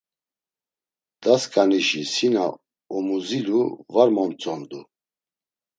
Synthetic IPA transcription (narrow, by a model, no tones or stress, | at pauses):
d̪̥askʼaniʃisina | ɔmuziluvaɾmɔmt͡sʼɔnd̪u